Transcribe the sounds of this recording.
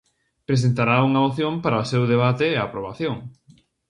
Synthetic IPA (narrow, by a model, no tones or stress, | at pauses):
pɾes̬ent̪aɾauŋɐoθjompaɾaosewðeβ̞at̪eːapɾoβ̞aθjoŋ